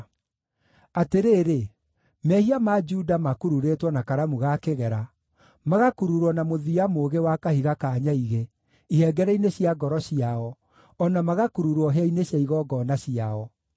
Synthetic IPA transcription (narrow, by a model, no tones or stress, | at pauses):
ateɾeːɾe | mɛhiamad͡ʒuːdamakuɾuɾetwɔnakaɾamuɣakeɣɛɾa | maɣakuɾuɾɔnamoðiamoɣewakahiɣakaɲaiɣe | ihɛɡɛɾɛineɕiaɡɔɾɔɕiaɔ | ɔnamaɣakuɾuɾɔɦɛineɕjaiɣɔɡɔnaɕiaɔ